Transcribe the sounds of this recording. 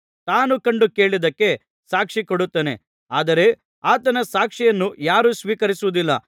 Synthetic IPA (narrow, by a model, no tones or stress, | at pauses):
t̪aːnukɐɳɖuke̞ːɭid̪ɐkːe̞ | saːkʂikoɽut̪ːeːne̞ | aːd̪ɐɾe̞ | aːt̪ɐnɐsaːkʂijɐnːujaːɾusʋiːkɐɾisuʋud̪ilːɐ